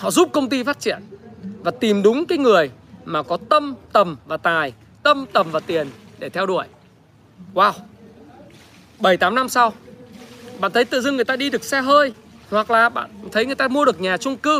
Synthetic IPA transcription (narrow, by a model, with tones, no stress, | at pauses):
hɔ̰˧˨zu˦˥p̚kə˧wŋ͡mt̪i˧faː˦˥t̚t͡ɕḭ˧˨ənvaː˨˩t̪i˨˩mɗʊ˨˦ŋ͡mkaː˨˦jŋɨ˨˩əjmaː˨˩kɔ˨˦t̪ə˧mt̪ə˨˩mvaː˨˩t̪aː˨˩j | t̪ə˧mt̪ə˨˩mvaː˨˩t̪i˨˩ənɗe˧˩t̪ʰɛ˧wɗu˧˩əj | waː˧˩w | ɓə˧˩jt̪aː˨˦mna˧msa˧w | ɓa̰ː˧˨nt̪ʰə˨˦jt̪ɨ̰˧˨zɨ˧ŋɨ˨˩əjt̪aː˧ɗi˧ɗɨ˨˩ək̚sɛ˧ɦəː˧j | hwa˨˩k̚laː˨˩ɓa̰ː˧˨nt̪ʰə˨˦jŋɨ˨˩əjt̪aː˧mu˧əɗɨ˨˩ək̚ɲaː˨˩t͡ɕʊ˧ŋ͡mkɨ˧